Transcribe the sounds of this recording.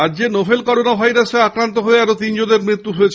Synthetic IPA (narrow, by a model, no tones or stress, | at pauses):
add͡ʑenobʱelkɔɾonabʱajɾaseakɾant̪oɦoeɛɾot̪ind͡ʑod̪eɾmɾit̪ːuɦojet͡ɕʰ